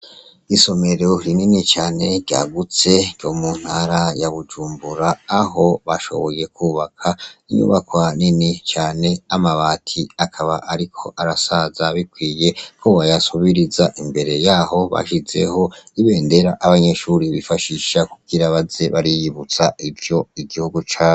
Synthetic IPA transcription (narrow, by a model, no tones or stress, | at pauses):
iso̞me̞ɾoɾininit͡ʃaːne̞ɾɟa̰ɡut͡se̞ɾjo̞mun̥haɾajaβud͡ʒuːmbuɾaːɦo̞βaʃo̞̰βo̞je̞kuːβakʰaiɲṵːβakwaninit͡ʃaːne̞amaβaːtʰiakʰaβaʔaɾikʰo̞ʔaɾasazaβikwiːje̞kʰoβajasuβiɾizaʔimbe̞ɾe̞jaːho̞βa̰ʃize̞̰ho̞iβe̞ːnde̞ɾaʔːβaɲe̞ʃuɾiβifaʃiʃakuɡiɾaβaze̞βaɾijiβut͡saivjo̞iɡihuɡut͡ʃaː